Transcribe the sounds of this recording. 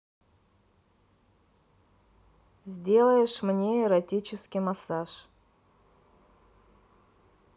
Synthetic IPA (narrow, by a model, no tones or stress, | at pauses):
zʲdʲelˠəjɪʂmnʲeɪɾɐtʲit͡ɕɪskʲɪmɐsaʂ